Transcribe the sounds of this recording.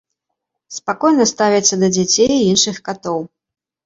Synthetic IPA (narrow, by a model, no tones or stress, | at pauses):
spakɔjnɐst̪avʲɛt̪sːɐd̪ɐd͡zʲat͡sʲejinʂɨxkat̪ɔw